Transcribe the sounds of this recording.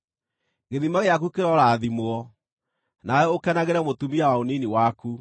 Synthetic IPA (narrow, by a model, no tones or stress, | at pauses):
ɣeðimaɣeak̬ukeɾɔɾaːðimoɔ | naɔokɛnaɣeɾɛmotumiawaoniniwaku